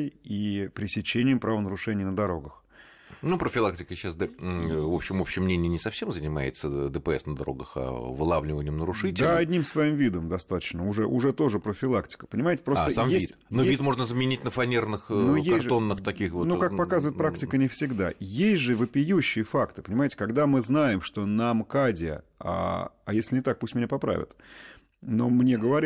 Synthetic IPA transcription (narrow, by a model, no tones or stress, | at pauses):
jipɾʲɪsʲɪt͡ɕenʲɪjɪmpɾavənəɾʊʂɛnʲɪjnəd̪ɐɾo̞ɡəx | nupɾəfʲɪlˠak̚tʲɪkəɕːasd̪ɛvopɕːɪmopɕːɪmːnʲenʲɪjɪnʲɪsɐfsʲemzənʲɪmajɪt̪səd̪əpəɛsnəd̪ɐɾo̞̰ɡəxa̰vɨlˠavlʲɪvənʲɪjmnəɾʊʂɨtʲdʲɪd̪laɐd̪ʲnʲimsvɐimvʲid̪əmd̪ɐst̪at̪ə̥t͡ɕnəʊʐɛʔʊʐɛt̪o̞ʐɨpɾəfʲɪlˠaktʲɪ̥kə̥pənʲɪmajɪtʲɪ̥pɾostt̪əsamjvsit̪ʲnoevʲit̪mo̞ʐnəzəmʲɪnʲitʲnəfɐnʲernɨxnojeasʲʐo̞nːɨxt̪ɐkʲixvonukakkpɐkazəvəɪt̪pɾaktʲɪkənʲɪfsʲɪɡd̪a̰jesʲtʲʐɨvɨpʲɪjuɕːɪjəfakt̪ɨ̥pənʲɪmajɪtʲɪ̥kɐɡd̪amɨznajɪmʂt̪o̞nɐmkadʲɪə̰a̰ɐ̰jesʲlʲɪnʲɪt̪ak̚pusʲtʲmʲɪnʲapɐpɾa̰vʲɪ̰t̪ | nomnʲeɡəvɐɾʲ